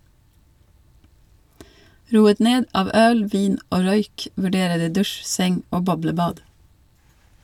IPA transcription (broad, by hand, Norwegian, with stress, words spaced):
ˈɾuːət ˈneːd ˈɑːʋ ˈœl ˈʋiːn ˈoː ˈɾœʏk ʋʉˈɖeːɾə ˈdiː ˈdʉʃ ˈsɛŋ ˈoː ˈbɔbləˌbɑːd